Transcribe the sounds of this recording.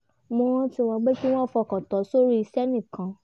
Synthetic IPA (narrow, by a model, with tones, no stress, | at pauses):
mõ˧ɔ̃˦ti˧w̃ɔ̃˧ɡ͡be˦ki˦w̃ɔ̃˦˨fɔ˧˨kɔ˨tɔ˨˦so˦ɾi˦i˧sɛ˦nĩ˦˨kã˨˦